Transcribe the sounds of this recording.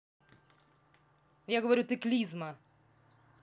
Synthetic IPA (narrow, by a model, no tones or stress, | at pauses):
jaɣɔʋɔɾʲut̪ɪklʲizmɐ